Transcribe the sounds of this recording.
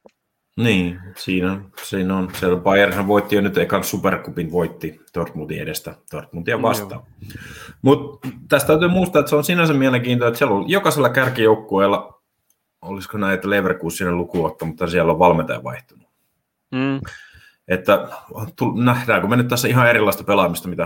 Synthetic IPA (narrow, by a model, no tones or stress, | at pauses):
niːsiːnonsiːnonsielpɑijɑrisɑʋʋoit̪ːijonyt̪eikːɑnssuperkupinʋoit̪ːit̪ort̪mut̪ḭḛdest̪æt̪ort̪munt̪iɑʋʋɑst̪ɑ̰ː | mut̪t̪æst̪æyt̪yːmuist̪ɑet̪seonsinæsemmiæleŋkiːnt̪oet̪siælːoljokɑselːɑkærkijoukːueˑlːɑ | oliskonæiet̪ːæleiʋerkuːssinelukuot̪ːɑmut̪hɑnsiælːoʋʋɑlmet̪ɑ̰jɑ̰ʋɑ̰iht̪unu | et̪ːæt̪ulnæhdæːkomenːyt̪æsːæihɑerilːˑɑˑist̪ɑpelɑmist̪ɑmit̪æ